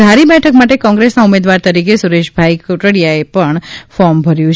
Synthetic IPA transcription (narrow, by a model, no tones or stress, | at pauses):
d̪ʱaɾibɛʈʰəkmaʈekɔ̃ŋɡɾesnaumed̪ʋaɾt̪əɾikesuɾeʃbʱaikoʈəɽjaepəɳfɔɾmbʱəɾjũt͡ʃʰ